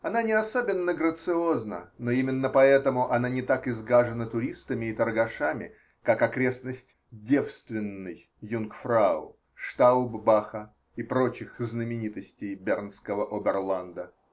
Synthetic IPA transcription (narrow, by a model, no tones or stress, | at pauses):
ɐnanʲɪɐsobʲɪnːəɡɾət̪sɨo̞znə̰noimʲɪnːəpɐɛt̪əmʊʔɐnanʲɪt̪akɪzɡaʐɨnət̪ʊɾʲist̪əmʲɪːt̪ərɡɐʂamʲɪ̰ | kakɐkɾʲe̞snəsʲtʲ | dʲe̞fst̪vʲɪnːɨj | junkfɾaʊ̰ | ʂt̪aʊbbaxə | ipɾo̞t͡ɕɪxznəmʲɪnʲit̪əsʲtʲɪjbʲernskəvəʔobʲɛrlˠand̪ə